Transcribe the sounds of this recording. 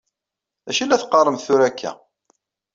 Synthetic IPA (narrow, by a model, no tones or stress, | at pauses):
æʃilːæθqːərˤːəmθθʊɾækʰːæ̰